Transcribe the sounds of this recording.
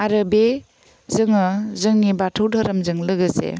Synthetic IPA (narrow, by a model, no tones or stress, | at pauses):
aɾɯbe | zɯŋɯzɯŋnibatʰɯwdʱaɾɐmzɯŋlɯɡɯsḛ